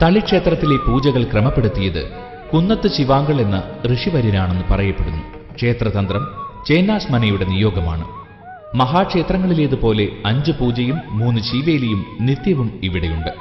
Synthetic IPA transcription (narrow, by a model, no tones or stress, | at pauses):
t̪ɐɭikʂe̞ːt̪rɐt̪ːile̞puːd͡ʑɐɣɐɭkrɐmɐpːe̞ɽut̪ːijɐðɨ̰ | kunːɐt̪ːɨɕiʋaːŋɡɐɭe̞nːɐrɨʂiʋɐɾinaːɳe̞nːɨupɐrɐjɐpːeɽunːu | kʂe̞ːt̪rɐt̪ɐnd̪ɾrɐmt͡ɕe̞ːnːaːsmɐnɐjuɽe̞nijo̞ːɡɐma̰ːɳɨ̰ | mɐɦaːkʂeːt̪rɐŋːɐɭile̞ːðɨpo̞ːle̞ɐɲd͡ʑɨpuːd͡ʑɐjumːuːnːɨt͡ɕiːʋeːlejumnit̪jɐʋumiʋiɽejuɳɖɨ